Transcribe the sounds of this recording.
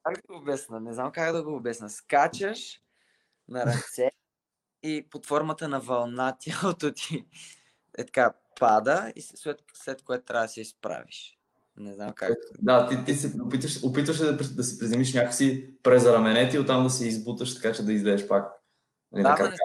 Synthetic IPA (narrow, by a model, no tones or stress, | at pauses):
kakd̪bɛsnənɛznamkakd̪ɐɡoːbɛsnəskat͡ʃəʃ | nɐɾɐt̪sɛ | ipot̪fɔɾmət̪ənɐvɐlˠnat̪ʲalt̪ot̪i | ɛ̰t̪ɐ̥ka | pʰad̪əḭsslɛt̪ | slɛt̪koɛt̪ʊt̪ɾʲavd̪ɐsiispɾa̰vḭʃ | nɛznamka̰d̪at̪it̪isɛopit̪vəʃopit̪vəʃɛɐpɾid̪ɐsɛpɾizɛmiʃnʲakəksipɾɛzɾɐmɛnɛt̪iot̪ːamd̪ɐsɛizbut̪əʃt̪ɐ̥kat͡ʃɛd̪ɐizlɛɛʃpak | nɐlinakɾɐa